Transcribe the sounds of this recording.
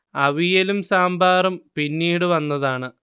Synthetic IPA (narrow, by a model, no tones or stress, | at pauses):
ɐʋijɐlumsaːmbaːrɐmpinːiːɽɨʋɐnːɐðaːɳɨ